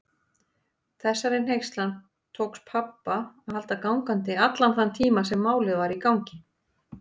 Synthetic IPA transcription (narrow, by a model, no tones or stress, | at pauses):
θɛsːaɾɪnɦejxst̪lan | t̪ʰoːwkspʰapːaɔhalt̪akawŋkant̪ɪat̪lanθant̪ʰiːmasɛmːaːwlɪðvaɾikawŋcɪ